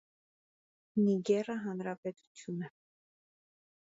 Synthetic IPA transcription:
niɡɛrəɦɑnɾɑpɛt̪u̥t͡sʰjunə

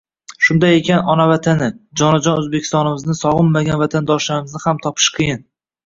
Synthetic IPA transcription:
ʃʊnd̪ajekʲanɒnavat̪ʰanɪd͡ʒɒnɪd͡ʒɒnɵzbekʲʰɪ̥st̪ɒnɪmɪznɪsɒʁɨnːaɡʲanvat̪ʰand̪ɒʃlaɾɪmɪznɪhamt̪ʰɒpʰɪ̥ʃqʰɨjɪn

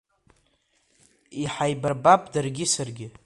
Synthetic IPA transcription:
iħajbarbapʼdarɡʲɪsarɡʲɪ

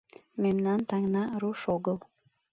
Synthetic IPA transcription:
memnɑnt̪ɑŋnɑɾuʃoɣəl

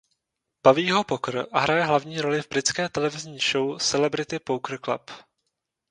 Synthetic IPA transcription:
b̥aviːɦopokr̩aɦɾajɛɦlavɲiːɾo̞lɪvbɾɪt͡skɛːt̪ɛlɛvɪzɲiːʃowsɛlɛbɾɪt̪ɪpowkr̩kla̰p

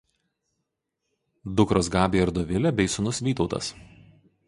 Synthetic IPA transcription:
d̪ʊkɾoːsɡɑːbʲeːɐɾd̪ɔʋʲɪlʲɛbʲɛɪsʊnʊsʋʲiːt̪ɒʊt̪ɐ̰s

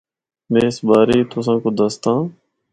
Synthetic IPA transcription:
mẽːɪsbaːɾeːt̪ʊsãːkoːd̪əst̪ãː

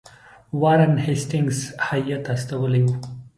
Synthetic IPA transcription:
waɾənhesʈɪŋɡshajat̪ast̪awəleju

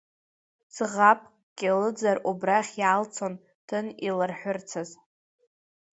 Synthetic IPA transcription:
sɨʁap̚ʰʼ | kʲʼɪlɨd͡zarubraχʲjalt͡sʰon | tʰɨnilarħʷᶣʊrt͡sʰaz

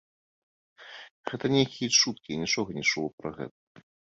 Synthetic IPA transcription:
ɣɛt̪ɐnʲejkʲijɛt͡ʂut̪̚kʲinʲit͡ʂɔɣɐnʲit͡ʂulˠɔpɾɐɣɛ̰t̪̚ɐ̥

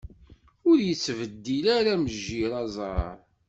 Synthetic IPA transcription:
ʊɾjət͡sːvəd̪ːilæɾæməʒːiɾˤɑzˤɑə̰ɾɾˤ

